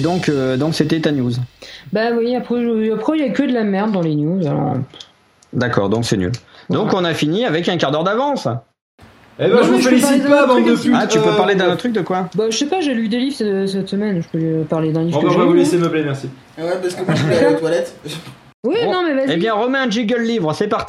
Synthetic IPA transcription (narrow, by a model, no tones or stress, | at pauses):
d̪ɔ̃kød̪ɔ̃kset̪ɛt̪anjuzbawiapχɛʒəapχɛilaɛkʲəd̪əlamɛʁd̪ːɑ̃lenjuzalɔ̰p | d̪akɔːʁd̪ɔ̃ksɛny̰ld̪ɔ̃kɔ̃nafiniavɛkɛ̃kaʁd̪œʁd̪avɑ̃s | ebɛʒəvəfeplipasied̪paṽd̪əsyat̪ypøpaʁled̪ɛ̃nt̪ʰːχyk̚d̪əkwabaʒəsɛpaʒelyd̪elivʁsɛsɛt̪səmɛnʒəpølypaʁled̪ɛ̃livʒavuleseməblemɛʁsi | wɛpaʁskəvot̪walɛt̪ | winɔ̃mɛvazeibjɛ̃ʁəmɛ̃ɛ̃d͡ʒiɡœlːivʁəsɛpaʁt̪i̥